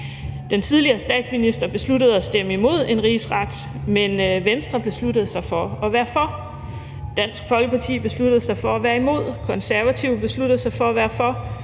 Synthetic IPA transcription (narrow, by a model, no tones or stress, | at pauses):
d̥ent͡sʰið̞ˠliɐːsd̥ɛ̰ːd̥sminisd̥ʁɐb̥e̝sludəð̞̩ˠæsd̥eməimo̝ð̞̰ˠe̝nʁiːsʁɑ̈d̥ | menʋensd̥ʁɐb̥e̝sludəð̩ˠsɑ̈ɪfɒ̽ɒ̽ʋæːɐfɒ̽ | d̥æn̰sɡ̥fɒ̽lɡ̥əpʰɑ̈t͡sʰḭːb̥e̝slud̥əð̞̩ˠsɑ̈ɪfɒ̽æʋæːɐimo̝ð̰ˠkʰɒ̽nsæɐʋæt͡sʰiʊ̰b̥e̝slud̥əð̞̩ˠsɑ̈ɪfɒ̽ʋæɐfɒ̽